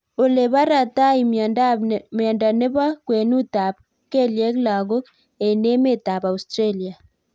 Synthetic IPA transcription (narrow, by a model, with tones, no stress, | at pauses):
o˨le˨βa˦ɾa˨ta˦i˨m | m˨a˨nda˨ne˦βa˦kwe˨nu˦ta˨β | ke˦˨lje˦kla˨ɣo˦ | e˨ne˦me˦˨ta˨βa˨u˨stɾe˦˨li˨a˨